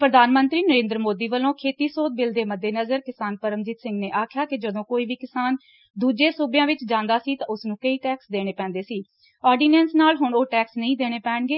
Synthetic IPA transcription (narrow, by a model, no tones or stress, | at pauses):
pɾəd̪ʱaːnmənt̪ɾiːnəɾẽːnd̪ɾəmoːd̪iːʋəlõːkʰeːt̪iːsoːd̪̚bɪld̪eːməd̪ːeːnəzəɾkɪsaːnpəɾəmd͡ʒiːt̪sɪ̃ŋɡneːʔaːkʰjaːkɪd͡ʒəd̪õːkoːiːʋiːkɪsaːn | d̪uːd͡ʒeːsuːbjãːʋɪt͡ʃd͡ʒãːnd̪aːsiːt̪ãːʊsnũːkəiːʈɛːksd̪eːɽ̃eːpɛ̃ːnd̪eːsiː | ɔːɾɖiːnɛːnsnaːlɦʊɳoːʈɛːksnəĩːd̪eːɽ̃eːpɛːɳɡeː